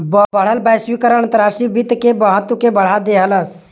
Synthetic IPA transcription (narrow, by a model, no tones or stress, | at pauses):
bəbəɽ̤əlbaɪswikəɾə̃ənt̪əɾasʈɾibit̪kebəɦət̪ːwukebəɽ̤ad̪eɦələs